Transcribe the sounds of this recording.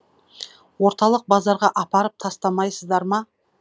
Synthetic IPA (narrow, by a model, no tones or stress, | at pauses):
wo̞ɾt̪ɑlˠəq̚bɑzɑɾʁɑʔɑpɑɾəp̚t̪ʰɑst̪ɑmɑjsəzd̪ɑɾmɑ